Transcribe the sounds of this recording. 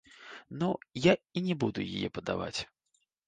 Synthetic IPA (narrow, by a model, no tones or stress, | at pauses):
nujainʲɛbud̪ʊjijɛpɐd̪ava̰t͡sʲ